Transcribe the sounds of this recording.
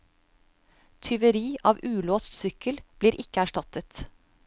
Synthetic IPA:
t̪ʰʏʋəɾiːʔɑːʋʉːloːst̪sʏkəlb̥liːɾʔɪkəæʃʈɑt̪ət̪

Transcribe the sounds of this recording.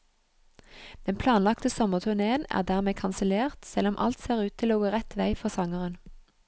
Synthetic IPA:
d̪̥ɛnpʰlɑːnlɑkt̪əsɔməʁt̪ʰʉʁneːənæ̰ːʁd̪æːʁmeːkʰɑnsəleːʁt̪sɛlɔmʔɑ̰lt̪seːʁʉːt̪ʰɪloːuːʁɛt̪ʋæɪfɔʁsɑŋəʁən

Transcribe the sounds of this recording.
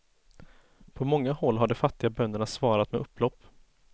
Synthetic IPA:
pʰɔmɔŋːahɔlːɦaɖɛfat̪ːɪɡabœnd̪əɳasvɑːɾat̪mɛʔɵpːlɔpː

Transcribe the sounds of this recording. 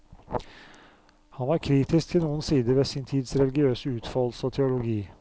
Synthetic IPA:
hɑnʋɑːɾkʰɾiːt̪ɪsk̚t̪ʰɪlnuːənsiːd̪əʋeːsɪnt̪ʰiːd̪sɾɛlɡɪøːsəʉːt̪fɔlsəoːt̪ʰɛʊlʊɡiː

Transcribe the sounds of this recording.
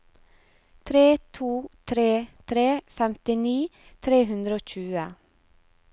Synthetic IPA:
t̪ʰɾeːt̪ʰuːt̪ʰɾeːt̪ʰɾeːfɛmt̪ɪniːt̪ʰɾeːhʉnd̪ɾəoːçʉːə

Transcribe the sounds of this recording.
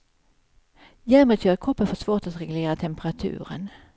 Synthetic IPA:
jæɾmət̪ʰjœːkʰɔpːəfəːʂvoːʈat̪ɾɛɡleːɾat̪ʰɛmpəɾat̪ʰʉ̟̰ːɾə̰n

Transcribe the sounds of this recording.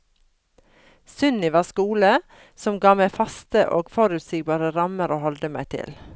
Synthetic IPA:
sʏnɪʋɑːskuːlə | sɔmɡɑːmæɪfɑst̪əʔo̰ːɡfɔɾʉːt̪siːɡ̚bɑːɾəɾɑməɾoːhɔld̪əmæɪt̪ʰɪ̰l

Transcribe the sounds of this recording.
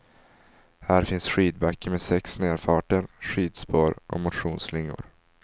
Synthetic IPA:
hæːɾfɪnsɧiːd̪̚bakːəɾmɛːsɛksneːɾfɑːʈəɾɧiːd̪spoːɾʔɔ̰mʊt̪ɧuːnslɪŋːʊ̰ɾ

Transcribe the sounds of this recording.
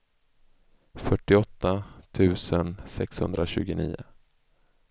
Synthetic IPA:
fœʈːɪɔt̪ːat̪ʰʉ̟ːsənsɛkshɵ̰nd̪ɾaɕʉ̟ːɡʊniːʊ

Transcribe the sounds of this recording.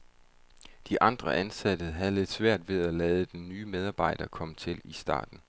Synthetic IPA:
d̥iʔɑ̈nd̥ʁɐʔænsæd̥əɦæð̩ˠle̝d̥sʋæɐ̰d̥ʋe̝ðˠælɛːð̞ˠəd̥enːyːmeð̞ˠɑ̈ːb̥ɑ̈ɪ̰d̥ɐkʰɒ̽mət͡sʰe̝lisd̥ɑ̰̈ːd̥n̩

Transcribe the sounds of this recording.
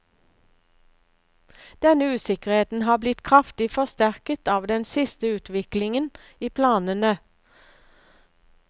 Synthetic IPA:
d̪̥ɛnəʉːsɪkəʁheːt̪n̩hɑːblɪt̪kʰʁɑft̪ɪfɔst̪æʁkət̪ɑːʋd̪ɛnsɪst̪əʉːt̪ʋɪklɪŋən | iːpʰlɑːnənə

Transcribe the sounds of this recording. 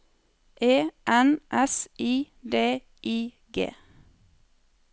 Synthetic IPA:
ʔeːʔɛnʔɛsiː | d̪eː | ʔiː | ɡḛː

